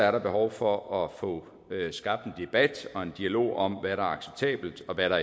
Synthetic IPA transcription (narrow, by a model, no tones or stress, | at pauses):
æɐɾɑ̈b̥e̝ɦɒʊfɒ̽ʔɒ̽fɔ̰̽ː | øsɡ̥ɑ̈b̥̚d̥en̩d̥e̝b̥æd̥ɒ̽e̝nd̥iælo̝̰ːɒ̽mʋæɾɑ̈ɐɑ̈ɡ̥se̥b̥̚t͡sʰɛ̰ːb̥l̩d̥ɒ̽ʋæɾɑ̈